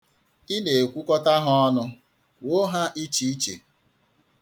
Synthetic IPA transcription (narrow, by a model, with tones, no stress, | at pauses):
i˦ne˨kʷu˦kɔ˦ta˦ɦɔ˦nʊ˦ | wo˦ɦa˦ʔi˦t͡ʃi˦t͡ʃḛ˨